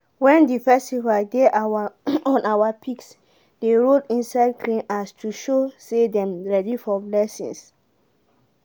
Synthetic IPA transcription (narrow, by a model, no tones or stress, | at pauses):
wɛ̃ndifɛstivaldeʔaaɔ̃nʔawapʰiks | deɹodĩnsaɪd̚kʰlĩnastʰuʃosedɛ̃mɹɛdifɔblɛsḭ̃ns